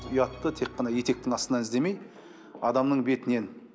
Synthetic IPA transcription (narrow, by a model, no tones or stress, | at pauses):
ʊjɑt̪ːət̪ʰe̞k̚qːɑnɑje̞t̪e̞k̚t̪ɪŋɑst̪ənɑnɪzd̪eme̞j | ɑd̪ɑmnəɴbe̞t̪ɪne̞n